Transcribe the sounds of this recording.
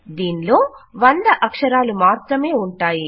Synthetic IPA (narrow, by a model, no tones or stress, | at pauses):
d̪iːnlo̞ːʋɐnd̪ɐʔɐkʂɐɾaːlumaːt̪ɾɐme̞ːuɳʈaːji